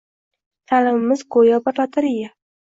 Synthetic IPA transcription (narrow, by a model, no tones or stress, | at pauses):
t̪ʰalɪmɪmɪzkojabaɾlat̪ʰaɾɪja